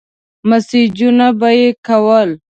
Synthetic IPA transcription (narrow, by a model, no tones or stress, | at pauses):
masid͡ʒunabajekawəl